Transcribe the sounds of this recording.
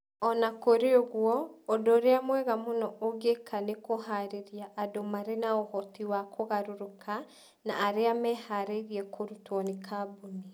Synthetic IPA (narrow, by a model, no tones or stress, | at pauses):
ɔnakoɾeoɣwɔːdoɾeamwɛɣamonɔoɡekʰanekoɦaɾeɾiaʔːdomaɾenaohɔtiwakʰoɣaɾuɾukʰa | naːɾeamɛhaɾeɣiɛkʰoɾutwɔnikʰaboni